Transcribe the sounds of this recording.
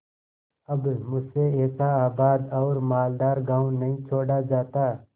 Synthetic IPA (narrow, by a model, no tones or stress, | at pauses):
ɐbmʊd͡ʒseɛːsaaːbaːd̪ɔːɾmaːld̪aːɾɡaːũnɐɦĩt͡ʃʰoːɽad͡ʒaːt̪a